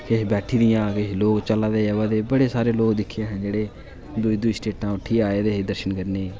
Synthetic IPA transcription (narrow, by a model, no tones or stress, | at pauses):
kebɛːʈʰiːd̪ɪjãːkeloːkt͡ʃəlaːd̪eːʋaːd̪eːbəɽeːsaːɾeːloːɡd̪ɪkʰːjẽːɦə̃nd͡ʒeːɽeː | d̪ʊiːd̪ʊiːsʈeːʈãːʊʈʰːiːaːeːd̪eːɦed̪əɾʃənkəɾneː